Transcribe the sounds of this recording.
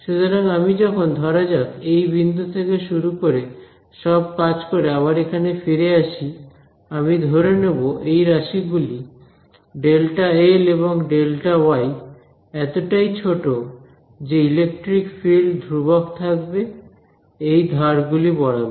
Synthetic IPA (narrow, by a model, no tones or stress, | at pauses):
ʃut̪oɾaŋamid͡ʑɔkʰond̪ʱɔɾad͡ʑakejbind̪ʱut̪ʰekeʃuɾukoɾe | ʃɔbkad͡ʑkoɾeamaɾekʰanefiɾeaʃi | amid̪ʱoɾeneboʔejɾaʃiɡuli | ɖelʈaeleβoŋɖelʈawaj | ɛt̪oʈajt͡ɕʰoʈo | d͡ʑeilek̚ʈɾikfilɖd̪ʱɾubokt̪ʰakbe | ejd̪ʱaɾɡulibɔɽabe